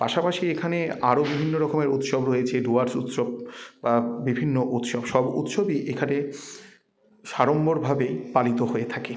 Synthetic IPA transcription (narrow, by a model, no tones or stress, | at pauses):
paʃapaʃiekʰaneaɾobibʱinːoɾɔkomeɾut̪ʃobɾoet͡ɕʰeɖuaɾsṵt̪ʃob̚babibʱinːoʔut̪ʃɔbʃɔbṵt̪ʃobiʔekʰane | ʃaɾomboɾbʱabepalit̪oɦoet̪ʰake